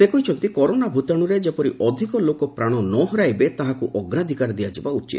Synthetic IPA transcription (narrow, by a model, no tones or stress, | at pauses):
sekojt͡ʃʰɔnt̪ikɔɾonabʱut̪aɽ̃uɾed͡ʒapɔɾiʔɔd̪ʱikɔlokɔpɾaɽ̃ɔnɔɦɔɾajbet̪aɦakuʔɔɡɾad̪ʱikaɾd̪ijad͡ʒebaut͡ʃḭt̪